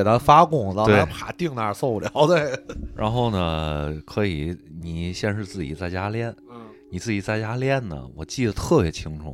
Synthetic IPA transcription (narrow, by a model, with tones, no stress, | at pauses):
e˨˩t̪ʰa˥fa˥kʊ˥˩ŋn˥˩twne˧a˥pʰa˧˩˥t̪i˥˧ŋna˥˧˥so˥˧ʊpu˥˩ljɑ˧˥˦ʊt̪we˥˩ɪɻa̰˧˥nxo˥˩ʊnə˩kʰɤ˧˥i˨˩˦ni˨˩ɕjɛ˥˧nʂɻ̩˥˧t͡sɹ̩˥˩t͡ɕḭ˨˩t͡sa˥˩ɪt͡ɕja˥ljɛ˥˩n˧ | ni˨˩t͡sɹ̩˥˩t͡ɕi˨˩t͡sa˥˩ɪt͡ɕja˥ljɛ˥˩nnə̰˩wɔ̰˨˩t͡ɕi˥˩d̪ə˩t̪ʰɤ˥˩pjɛ˧˥t͡ɕʰi˥ŋʈ͡ʂʰṵ˨˩˦